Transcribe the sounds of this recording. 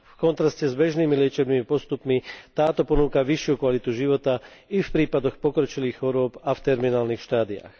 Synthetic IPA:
fkɔnt̪ɾascɛzbɛʒniːmilɪɛt͡ʃɛbnimipɔst̪upmit̪aːt̪ɔpɔnuːkaʋiʃɪukʋalit̪uʒiʋɔt̪aifpɾiːpad̪ɔxpɔkɾɔt͡ʃiliːxxɔɾʊɔpaft̪ɛɾminaːlnixʃt̪aːd̪ia̰x

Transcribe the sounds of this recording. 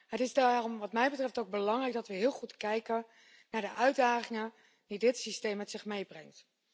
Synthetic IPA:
ɦətɪzdarɔmʋɑtmɛjbətrɛftowɡ̚bəlɑŋrɛjɡ̚dɑtʋəɦɪːlˠχutkɛjkə | naːɹdəʔœɥdaːχɪŋə | didɪtsistejmɛtsɪχmejbrɛŋt

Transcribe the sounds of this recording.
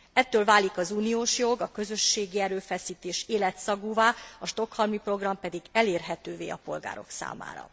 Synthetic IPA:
ɛt̪ːøːlvaːlikɒzuːnijoːʃjo̞ɡɒkø̞zøʃːeːɡiɛɾøːfɛsiːt̪eːʃeːlɛt̪sɒɡuːvaːɒʃt̪o̞khɒlmipro̞ɡrɒmpɛd̪iɡɛleːrɦɛt̪øːvḛːɒ̰po̞lɡa̰ːɾo̞̰ksa̰ːma̰ːɾɒ̰

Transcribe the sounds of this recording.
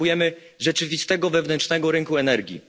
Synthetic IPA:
ujɛmɘʐɛt͡ʂɘvʲist̪ɛɡɔvɛvnɛnt͡ʂnɛɡɔɾɘŋkuɛnɛɾɡʲḭ

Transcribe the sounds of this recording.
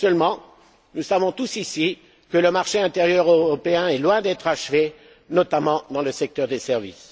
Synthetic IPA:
sœlmɑ̃ | nusavɔ̃t̪usisi | kələmaʁʃeɛ̃t̪eʁjœʁøʁʁɔpeɛ̃ɛlwɛ̃d̪ɛt̪χaʃve | nɔt̪amɑ̃d̪ɑ̃ləsɛk̚t̪œʁd̪esɛʁvḭs

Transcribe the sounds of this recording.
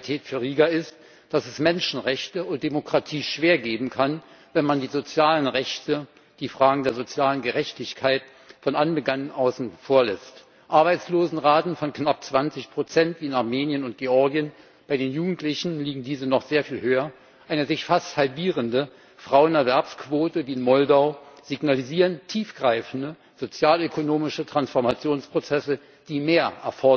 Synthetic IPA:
tʰɛːtfyːɐʁiːɡaɪst | d̥asɛsmɛnʃn̩ʁɛçtəʊnt̚d̥emokʁ̥atʰiːʃv̥eːɐɡeːbm̩kʰanvɛnmandiːzot͡sjaːlənʁɛçtə | d̥iːfʁ̥aːɡŋ̩deːɐzot͡sjaːlənɡəʁɛçtɪçkʰaɪt | fɔnʔanbəɡanənʔaʊsn̩foːɐlɛst | ʔaɐbaɪt͡sloːzn̩ʁaːtn̩fɔnknap̚t͡sv̥ant͡sɪçpʁ̥ot͡sɛntviːɪnaɐmeːnjənʊnt̚ɡ̥eɔɐɡiən | b̥aɪɾeːnjuːɡŋ̩tlɪçn̩liːɡŋ̩diːzənɔχz̥eːɐfiːlhøːɐ | ʔaɪnəzɪçfasthalbiːʁəndə | fʁ̥aʊənɛɐvɛɐpskv̥oːtəviːɪnmɔldaʊz̥iɡnaliziːʁəntʰiːfɡ̥ʁaɪfn̩də | z̥ot͡sjaːløkʰonoːmɪʃətʁ̥ansfɔɐmat͡sjoːnspʁ̥ot͡sɛsə | d̥iːmeːɐʔɛ̰ɐfɔ

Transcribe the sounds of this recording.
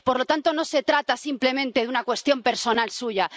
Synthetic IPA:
po̞ɾlo̞t̪ant̪o̞no̞se̞t̪ɾat̪asimple̞mẽnt̪e̞ðunakwe̞st̪jo̞mpe̞ɾso̞nalsuʝa

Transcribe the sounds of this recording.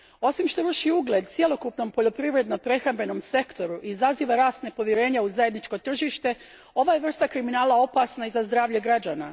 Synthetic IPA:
o̞simʃt̪o̞ʋərʃiuɡlʲe̞d̪t̪sjelo̞kupno̞mpo̞ʎo̞pɾiʋɾe̞d̪no̞pɾe̞xɾambɾe̞no̞mse̞kt̪o̞ɾuʔizaziːʋaɾaːst̪nepo̞ʋjeɾe̞ːɲauzaje̞d̪nit͡ʃko̞t̪r̩ʒiʃt̪e̞ | o̞ʋajeʋr̩st̪akɾiminaːlˠao̞pasnaizazd̪ɾaːʋʎeɡɾad͡ʒaːna

